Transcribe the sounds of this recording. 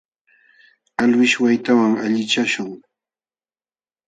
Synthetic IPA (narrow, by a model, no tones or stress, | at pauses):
alwɪʃwajt̪awaŋaʎɪt͡ʃaʃʊŋ